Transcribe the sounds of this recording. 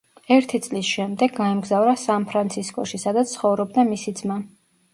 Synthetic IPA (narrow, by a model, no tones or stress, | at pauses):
ɛɾt̪ʰit̪sʼlisʃɛmd̪ɛɡːaɛmɡzavɾasanpʰɾant̪sʰiskʼɔ̰ʃisad̪at̪ssχɔvɾɔb̚d̪amisid̪zma